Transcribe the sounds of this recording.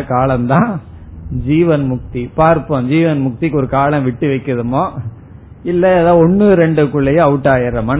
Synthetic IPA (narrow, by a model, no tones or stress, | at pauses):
ɐkaːlɐnt̪ãː | d͡ʒiːʋɐnmʊk̚t̪ipaːɾpõːd͡ʒiːʋɐnmʊk̚t̪ikːɔɾɯkaːɭɐ̃ʋɪʈːɯʋɐɪkːɯɐðɯmoː | ɪlːɐðãːɔnːɯɾɛɳɖɯkːʊɭːɐjɐ̃ɐʋɯʈːaːjɐɾɐmɐn